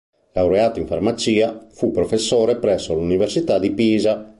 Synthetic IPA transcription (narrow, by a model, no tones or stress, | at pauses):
lawɾeaːt̪aiɱfarmat͡ʃiːafupːɾɔfesːoːɾɛpɾɛsːoaluniversit̪ad̪ipiːza